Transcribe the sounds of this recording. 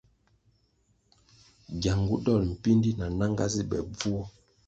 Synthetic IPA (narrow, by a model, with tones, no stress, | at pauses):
ɡja˨ŋɡu˦dɔ˦˨lm̩˨pi˦ndi˦na˨na˦ŋɡa̰˦zi˦bɛ̰˨b͡vu˦